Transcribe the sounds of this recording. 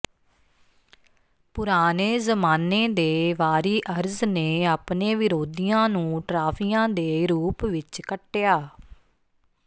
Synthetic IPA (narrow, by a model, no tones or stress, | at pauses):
pʊɾaːneːzəmaːneːd̪eːʋaːɾiːʔəɾzneːaːpneːʋɪɾoːd̪iːãːnũːʈɾaːpʰiːãːd̪eːɾuːpʋɪt͡ʃkəʈːejaː